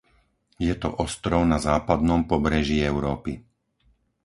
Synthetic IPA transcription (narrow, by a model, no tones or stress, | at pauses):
jɛt̪ɔ̰ʔɔst̪ɾɔʊnazaːpad̪̚nɔmpɔbɾɛʒiɛʊɾɔːpi